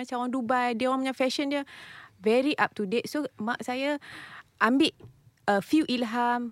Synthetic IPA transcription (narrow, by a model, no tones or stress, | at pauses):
at͡ʃawaŋdubajdiəwãməɲãfɛʃəndiəvɛɾiʔap̚tudɛt̚somaʔ̚sajaʔambɪʔ | əfiuʔilɦam